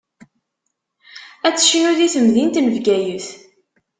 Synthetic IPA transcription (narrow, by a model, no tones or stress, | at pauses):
æt͡sːə̥ʃinʊðiθəmðint̪nəvɡæjəθ